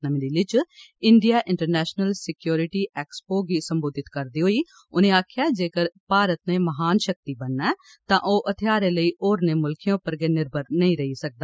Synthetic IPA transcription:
nəmd̪iːlɪt͡ʃɪɳɖijaːʔɪ̃ɳʈəɾnɛːʃnəlsɪkjoːɾɪʈiːʔɛːkspoːɡiːsəmboːd̪ɪt̪kəɾd̪iːɦoːiː | ʊnẽːaːkʰɪjaːd͡ʒeːkəɾpaːɾət̪nẽːməɦaːnʃək̚t̪iːbənːɛː | t̪ãːʔoːʔət̪ʰɪjaːɾẽːləiːʔoːɾnẽːmʊlkʰijõːpəɾɡeːnɪɾbʱəɾnəĩːɾəisək̚d̪aː

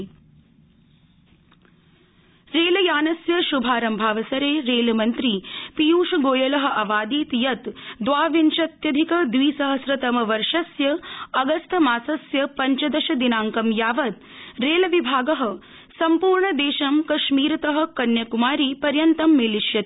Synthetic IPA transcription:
ɾeːljaːnɐsjɐʃubʱaːɾɐmbʱaːʋɐsɐɾeːɾeːlmɐnt̪ɾiːpijuːʃɐɡoːjɐlɐɦɐ̆ʔɐʋaːd̪iːt̪jɐt̪d̪ʋaːʋinʃɐt̪jɐd̪ʱikɐd̪ʋiːsɐɦɐsɾɐt̪ɐmɐʋɐɾʂɐsjɐɐɡɐst̪ʰɐmaːsɐsjɐpɐɲt͡ʃɐd̪ɐʃɐd̪inaːŋkɐmjaːʋɐt̪̚ | ɾeːlɐʋibʱaːɡɐɦɐ̆ | sɐmpuːɾɳɐd̪eːʃɐmkɐʃmiːɾɐt̪ɐɦɐ̆kɐnjɐkumaːɾiːpɐɾjɐnt̪ɐmːeːliʃjɐt̪

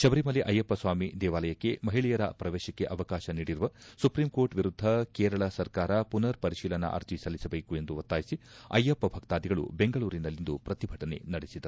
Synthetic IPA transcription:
ʃɐbɐɾimɐliʔɐjɐpːɐsʋaːmid̪ɛːʋaːlɐjɐkːe̞mɐɦiɭijɐɾɐ̰pɾɐʋeːʃɐkːeʔɐʋɐkaːʃɐniːɽiɾuʋɐsupɾiːmko̞ːɾʈʋiɾud̪ʱːɐkeːɾɐɭɐsɐɾkaːɾɐpunɐɾpɐɾiʃiːlɐnɐ̰ʔɐ̰ɾd͡ʒisɐlisɐbeːkue̞nd̪uʋɐt̪ːaːjisiɐjɐpːɐbʱɐkt̪aːd̪iɡɐɭṵbe̞ŋɡɐɭuːɾinɐlːind̪upɾɐt̪ibʱɐʈɐne̞̰nɐɽesid̪ɐɾu

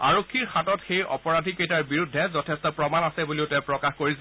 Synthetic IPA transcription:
aɹokʰːiɹxatɔtxejɔ̰pɔɹadʱikejtaɹbiɹudʱːɛzɔtʰɛstɔpɹɔmanasɛbuliʊtɛ̃pɹɔkaxkoɹis

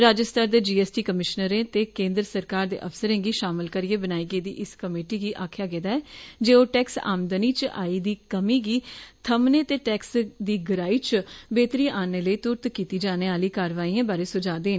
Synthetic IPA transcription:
ɾaːd͡ʒəst̪aːɾd̪eːd͡ʒiːɛːsʈiːkəmɪʃnəɾẽːt̪eːkẽːnd̪ɾəsəɾkaːɾd̪ḛːʔəfsəɾẽːɡiːʃaːmɪlkəɾieːbənaːiːɡeːd̪ḭːʔɪskəmeːʈiːɡiːʔaːkʰjaːɡɛːd̪aːɛːd͡ʒeːoːʈɛːksa̰ːmd̪əniːt͡ʃa̰ːiːd̪iːkəmiːɡiːt̪ʰəmneːt̪eːʈɛːksd̪iːɡəɾaːiːt͡ʃbeːt̪ɾiːaːneːləiːt̪ʊɾt̪kiːt̪iːd͡ʒaːneːaːliːkaːɾʋaːiːãːbaːɾeːsʊd͡ʒaːd̪eːn

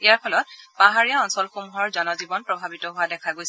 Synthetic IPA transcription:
ijaɹpʰɔlɔt̚paɦaɹijaɔnsɔlxomuɦɔɹzɔnɔzibɔnpɹɔbʱabitɔɦʊwadɛkʰaɡojs

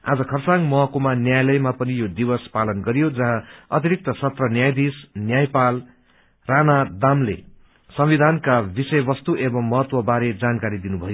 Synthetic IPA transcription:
a̰d͡zʌkʰʌrt͡saŋmʌkomanjajlʌjmapʌnijod̪iwʌspalʌnɡʌɾijod͡zʌɦãʌt̪iɾik̚t̪ʌsʌt̪rʌnjajd̪isnjajpal | ranad̪amlḛ | sʌmwid̪ʱankabisʌjbʌst̪uʔebʌmːʌɦʌt̪wʌbaɾed͡zankaɾid̪inubʱʌjo

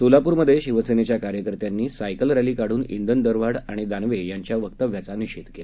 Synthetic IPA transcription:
solapuːɾməd̪ʱːjeɕiʋəsenet͡ɕjakaɾjəkəɾt̪janːiːsajkəlɾɛliːkaɽ̤uːnḭɳd̪ənd̪əɾʋaɽaɽ̃id̪anʋejaɲt͡ɕjaʋək̚t̪əʋjat͡saniɕit̪kela

